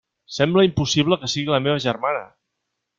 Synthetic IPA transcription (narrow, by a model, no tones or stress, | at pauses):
sɛmbləimpusiβ̞ləkəsiɣiləmeβ̞əʒərmanə̰